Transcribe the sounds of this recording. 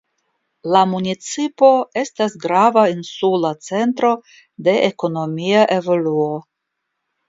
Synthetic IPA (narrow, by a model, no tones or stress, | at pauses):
lamunit͡sipo̞e̞stasɡɾavainsulat͡se̞nt̪ɾo̞ | de̞ʔeko̞no̞miaʔe̞vo̞luo̞